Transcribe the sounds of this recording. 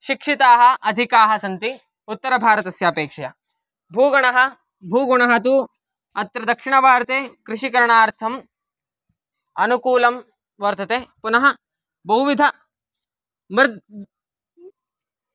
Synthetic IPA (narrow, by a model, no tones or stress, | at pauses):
ʃikʂit̪aːɦɐ̆ʔɐd̪ʱikaːɦɐsɐnt̪i | ut̪ːɐɾɐbʱaːɾɐt̪ɐsjaːpeːkʂɐjɐ | bʱuːɡɐɳɐɦɐ | bʱuːɡuɳɐɦɐt̪̬u | ɐt̪ːɾɐd̪ɐkʂiɳɐbʱaːɾt̪eːkɾɪʃikɐɾɐɳaːɾt̪ʰɐm | ɐnukuːlɐm | ʋɐɾt̪ʰɐt̪eːpunɐɦɐ | bɐɦuʋid̪ʱɐ | mɾ